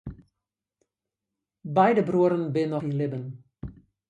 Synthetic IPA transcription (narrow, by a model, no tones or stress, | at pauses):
bɛjdəbruəɾənbɪnɔxinlɪbən